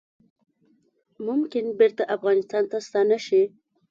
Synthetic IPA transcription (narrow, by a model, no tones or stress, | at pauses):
mʊmkɪnbeɾt̪aʔafɣɑnɪst̪ɑnt̪ast̪ɑnaʃi